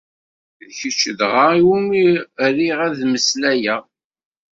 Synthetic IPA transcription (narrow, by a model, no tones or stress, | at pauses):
ðçət͡ʃːəðʁaiwumiriʁæðməslæjæ